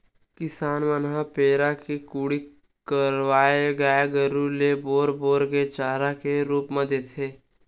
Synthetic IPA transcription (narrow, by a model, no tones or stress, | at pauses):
kɪsaːnʋənɦapeːɾakikuːɽi | kəɾʋaːeɡaːeɡəɾuleboːɾboːɾɡet͡ʃaːɾakeɾuːpməd̪et̪ɦeː